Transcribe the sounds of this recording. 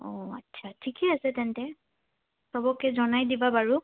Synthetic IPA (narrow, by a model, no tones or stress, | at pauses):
ɔ̃a̰tːsʰatʰikɛasɛtɛntɛ | sɔbɔkɛzɔnajdibabaɹu